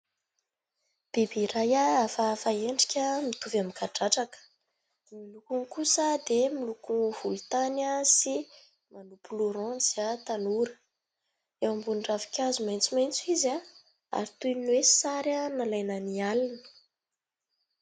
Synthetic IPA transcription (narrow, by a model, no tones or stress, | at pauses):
b̥ebiɾajaafafaeɳɖ͡ʐikʲəmit̪uvamikaʈ͡ʂaʈ͡ʂakə̥ | milukunkusəd̪emilukuv̥ulut̪anəsi | manupuluɾɔ̃z̥iat̪anuɾə̥ | ewambunɖ͡ʐavi̥kʲazumajnt͡sumajnt͡suiza | a̰ɾit̪ujnwesaɾanalajnanialinə̥